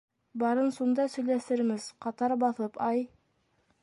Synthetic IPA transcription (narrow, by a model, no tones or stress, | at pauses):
bɑɾɤnsund̪ɑsɵ̆jlæsɘ̆ɾmɘzqɑt̪ɑɾbɑθɤpɑj